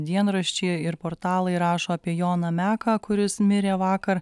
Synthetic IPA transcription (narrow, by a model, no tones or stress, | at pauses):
d̪ʲiɛnɾɐʃʲt͡ʃʲeːɪɾpoːɾt̪ɑːlˠɐɪɾɑːʃoːɐpʲiɛjoːnɐmʲæːkɑkʊɾʲɪsmʲɪɾʲeːʋɑːkɐɾ